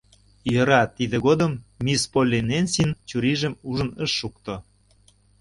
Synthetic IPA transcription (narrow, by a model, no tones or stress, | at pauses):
jə̆ɾɑt̪id̪ĕɣod̪əmːʲispolʲinenʲsint͡ɕuɾiʒəmuʒə̆nəʃːukt̪o